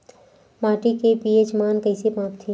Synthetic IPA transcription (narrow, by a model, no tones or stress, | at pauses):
maːʈikepiːet͡ʃmaːnkɐɪsepãːpt̪ʰe